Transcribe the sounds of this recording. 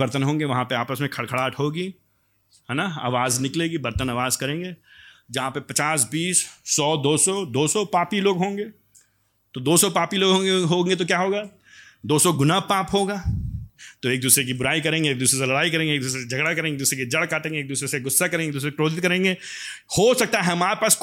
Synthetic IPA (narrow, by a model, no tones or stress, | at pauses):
ɐɾt̪ənɦõːŋɡeʋɐɦãpeaːpəsmẽkʰɐɽkʰɐɽaːʈɦoːɡi | ɦɛːnaa̰ːʋaːznɪkleːɡibɐɾt̪ənaːʋaːzkɐɾẽːŋɡeːd͡ʒɐɦãpepɐt͡ʃaːsbiːsːɔːd̪oːsɔd̪oːsɔpaːpiloːɡɦõːŋɡeː | t̪od̪oːsɔpaːpiloːɡʱɦõːɡeɦoːŋɡet̪̬ok̬jaːɦoːɡaː | d̪oːsɔɡʊnapaːpɦoːɡaː | t̪oeːk̚d̪uːsɾek̬ibʊɾaːikɐɾẽːŋɡeːk̚d̪uːsɾes̬elɐɽaːik̬ɐɾẽːŋɡeːk̚d̪uːs̬ɾesed͡ʒʱɐɡɽakɐɾẽːŋɡd̪uːsɾek̬id͡ʒɐɽkaːʈẽːŋɡeːk̚d̪uːsɾeseɡʊsːakɐɾẽːŋɡeːkd̪uːsesekɾoːd̪ɪt̪kɐɾẽːŋɡeː | hosɐk̚t̪aɦɛɛɦɐmaːɾepaːs